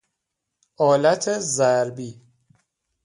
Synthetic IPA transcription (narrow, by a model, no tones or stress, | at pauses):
ʔɒːlæt̪ʰezæɾbiː